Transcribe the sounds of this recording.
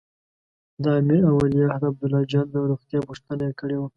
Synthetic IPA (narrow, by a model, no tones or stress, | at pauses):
d̪ɑmeawalijɑhɾab̚d̪ʊlɑd͡ʒɑnd̪aɾoxt̪jɑpʊʂt̪ənaekəɽewa